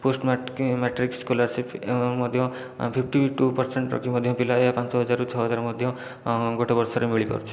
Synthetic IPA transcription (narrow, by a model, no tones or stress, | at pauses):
posʈmmeʈɾikskolaɾsipʰemɔd̪ʱjɔ̃ | pʰipʰʈiʈupɔɾseɳʈɾɔ̰kʰimɔd̪ʱjɔ̃pilaeapant͡ʃɔɦɔd͡ʒaɾut͡ʃʰɔɦɔd͡ʒaɾmɔd̪ʱjɔ̃ | ɡoʈebɔɾsɔɾemiɭikɔ̰ɾut͡ʃʰi̥